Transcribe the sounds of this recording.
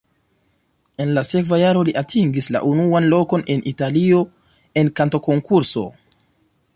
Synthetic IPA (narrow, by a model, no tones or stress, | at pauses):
e̞nlase̞kvajaɾo̞liʔatʰiŋɡisla̰ʔunuanlo̞ko̞ne̞nʔitalio̞ | e̞nkanto̞ko̞ŋkuɾso̞̰